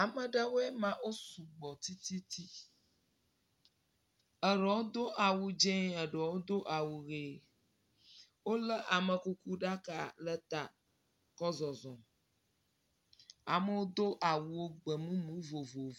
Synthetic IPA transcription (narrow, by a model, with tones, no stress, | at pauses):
a˨mə˨ɖə˦wo˦ɛ˦mã˨wo˦su˨ɡ͡bɔ˨t̪i˦t̪i˦t̪ʰi˦ | ə˨ɾɔ˨wo˦d̪o˦ʔa˨wu˨d͡ʒɛ̃˦ə˨ɖə˨wo˦d̪o˦ʔa˨wu˨ɣe˨ | wo˦lə˦ʔa˨mə˨ku˦ku˦ɖa˦ka˨lə˦t̪a˨ | kɔ˦zɔ˨zɔ̃˨ | a˨mə˦wo˦d̪o˦ʔa˨wu˨wo˦ɡ͡bə˨mũ˦mũ˦vo˨vo˨